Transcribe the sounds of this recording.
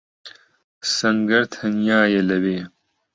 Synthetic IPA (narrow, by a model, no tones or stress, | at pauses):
sɐŋɡɐɾt̪hɐnjaːjɐlɐbeː